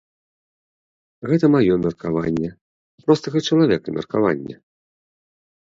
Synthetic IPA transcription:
ɣɛt̪ɐmajɔmʲɛrkavanʲːɛ | pɾɔst̪ɐɣɐt͡ʂɐlˠavʲɛkɐmʲɛ̰rkava̰nʲːɛ̰

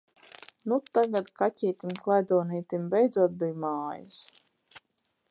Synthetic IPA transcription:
nut̪aɡat̪kacʲiːt̪imklˠajd̪ɔːniːt̪imbɛjd̪zuɔt̪̚bijmaːjis

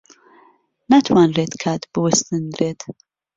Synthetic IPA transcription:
nat̪ʰwaːnreːt̪kʰat̪bɨwɨst̪ɨnd̪ɾeːt̪

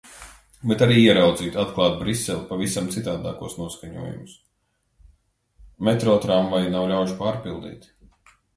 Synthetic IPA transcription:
bet̪aɾiːiɛɾawd̪ziːt̪at̪klˠɑːt̪̚bɾisːɛlˠpavisamt̪sit̪aːd̪a̰ːkuɔsnuɔskaɲṵɔjṵmʊs | met̪ɾɔːt̪ɾamvajnawlʲawʃpaːɾpilˠd̪ḭːt̪

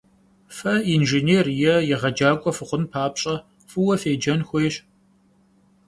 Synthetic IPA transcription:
fɐiːnʒeneːrjɛjɛʁɐd͡ʒaːkʷʼɔfɨχʷʊnpʰaːpɕʼɐ | fɨwɐfeːd͡ʒɐnxʷɔjɕ

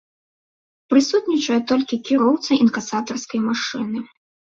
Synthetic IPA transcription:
pɾɨsut̪nʲit͡ʂɐjɛt̪ɔlʲkʲikʲiɾɔwt̪sɐinkasat̪ɐrskɐjmaʂɨnɨ

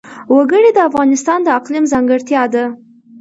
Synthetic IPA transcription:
waɡəɽed̪əafɣɑnɪst̪ɑnd̪əaqlimzɑŋɡəɽt̪jɑd̪a

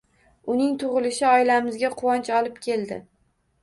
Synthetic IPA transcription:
ʊnɪŋt̪ʰʊʁɨlɪʃɪɒɪlamɪzɡʲaqʰʊwɒnt͡ʃɒlɪpkʲʰe̞lˠd̪ɪ̰

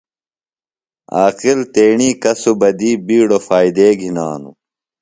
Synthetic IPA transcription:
aːqilt̪eːɳiːkɐsubɐd̪iːbiːɽofaːid̪eːɡʱinaːnṵ

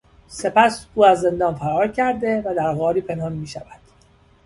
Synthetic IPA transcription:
se̞pæsuːæzːe̞nd̪ɒːnfæɾɒːɾcʰæɾd̪e̞væd̪æɾɣɒːɾiːpʰe̞nhɒːnmiːʃævæd̪̥

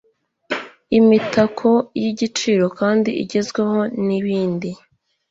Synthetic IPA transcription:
imitakʰo̞jiɟit͡ʃiɾo̞kaːndiḭɟe̞zɡwe̞ho̞niβiːndi

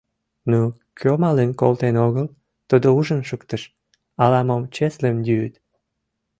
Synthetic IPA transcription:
nu | kʰømɑlenkolt̪enoɣəl | t̪əd̪ouʒənʃəkt̪əʃ | ɑlɑmomt͡ɕeslemj̪yːt̪

